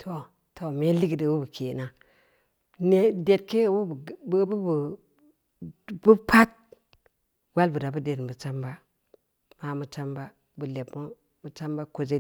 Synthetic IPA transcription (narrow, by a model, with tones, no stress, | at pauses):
tʰo˨ | tʰo˨me˦li˦ɡi˨di˨wu˦bu˨kʰe˨na˦ | ne˨de˨t̚ke˦˨wu˦˨˦bu˦bu˨ | bu˦pʰa˦t̚ | wa˦lbu˨da˨bu˦de˨dbu˨t͡ʃa˦mba˦ | ma˨mu˦t͡ʃa˦mba˦ | bu˨le˨bmu˦ | mu˦t͡ʃa˦mba˦ko˨d͡ʒe˦